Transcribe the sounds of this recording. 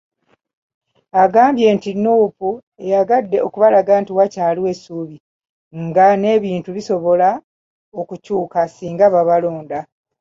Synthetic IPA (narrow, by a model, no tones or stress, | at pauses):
aɡaːmbje̞ːntinuːpu | e̞jaɡadːe̞o̞kuβalaɡaːntiwacaːliwe̞suːβi | ŋɡane̞ːβiːntuβiso̞βo̞la | o̞kucuːkasiːŋɡaβaβalo̞ːnda